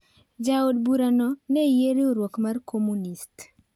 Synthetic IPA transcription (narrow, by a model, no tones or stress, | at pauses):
d͡ʒaod̚buɾanɔnɛjeɾioɾwokmarkʰomunist